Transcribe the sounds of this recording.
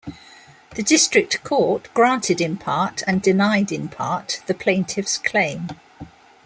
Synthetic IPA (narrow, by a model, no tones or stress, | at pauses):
ðədɪstɹ̥ɪk̚tkʰɔˑʔɡ̥ɹɑ̃ˑntʰɪdɪ̃npʰɑˑtʰə̃ndɪnaɪdɪ̃npʰɑˑʔðəpʰl̥ẽɪ̃ntʰɪvskʰl̥ẽɪ̃m